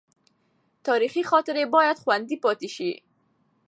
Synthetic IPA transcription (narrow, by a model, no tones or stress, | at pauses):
t̪ɑɾiχixɔt̪ɪɾebɔjad̪xwand̪ipɑt̪iʃi